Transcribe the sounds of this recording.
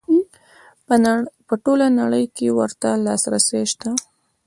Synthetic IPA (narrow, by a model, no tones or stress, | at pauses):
pəʈolanaɽəjkewəɾt̪alɑsɾaseʃt̪a